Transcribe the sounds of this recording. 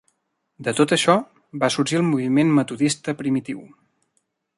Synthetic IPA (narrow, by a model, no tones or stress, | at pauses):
d̪ət̪ot̪əʃɔ | βasuɾʒiəlˠmuβ̞imenmət̪uðist̪əpɾimit̪iw